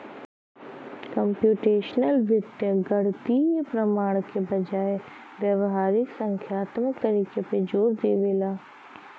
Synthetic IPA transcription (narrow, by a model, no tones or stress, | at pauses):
kɐmpjuːʈeːʃnəlʋɪt̪jəɡɐɽt̪ipɾɐmaːɽ̃kebɐd͡ʒaːe | ʋjɐʋɦaːɾɪksɐ̃ŋkʰjaːt̪məkt̪ɐɾiːkeped͡ʒoːɾd̪eːʋeːlaː